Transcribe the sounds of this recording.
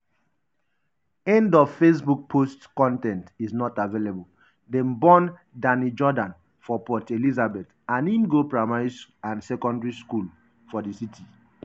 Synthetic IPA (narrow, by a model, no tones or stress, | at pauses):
ɛ̃ndɔvfes̬buk̚pʰostkɔ̃ntɛ̃ntiznɔtavelebul | dɛ̃mbɔ̃n | danid͡ʒɔdãn | fɔpɔtelizabɛt | ãnimɡopɹamaɪsãnsɛkɔ̃ndɹiskul | fɔdisitʰi